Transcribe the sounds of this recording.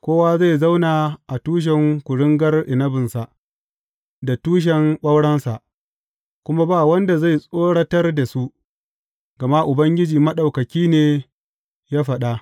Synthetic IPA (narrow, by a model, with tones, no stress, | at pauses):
kʷoː˦waː˦za˦˨jza˦wnaː˨ʔa˨tuː˦ʃ̬ɛ˨ŋkʷʊ˨ɽɪ˦ŋɡɐ˦rʔɪ˨nɐ˦bɪ˨nsa˨ | da˨tuː˦ʃ̬ɛ˨ŋɓɐ˦wɽɐ˦nsa˨ʔ | kʷʊ˦ma˦baː˦˨wɐ˦nda˨za˦˨jsʼoː˦ɽɐ˦tɐ˦rda˨su˦ʔ | ɡ̥ɐ˨ma˦ʔʊ˨bɐ˦ŋɡʲɪ˦d͡ʒiː˨mɐ˦ɗa˨wkɐ˨kʲiː˦neː˨ | jaː˦ɸɐ˨ɗa˦